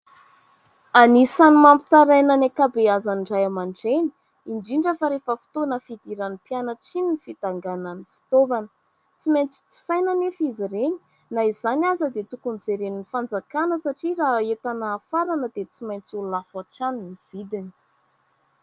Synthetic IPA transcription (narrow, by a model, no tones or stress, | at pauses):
anisanimampi̥t̪aɾajnanakabeazaniɳɖ͡ʐajamaɳʈ͡ʂeni̥ | iɳɖ͡ʐiɳɖ͡ʐəfaɾefəfi̥t̪onəfid̪iɾanipjanəʈ͡ʂininifid̪aŋɡananifi̥t̪ovanə̥ | t͡simajnt͡si̥t͡si̥fajnanefiziɾeni̥ | naizanazəd̪et̪ukunid͡zeɾeninifand͡zakanəsaʈ͡ʂiraet̪anaːfaɾanəd̪et͡simajnt͡sululafaʈ͡ʂanniv̥id̪ini̥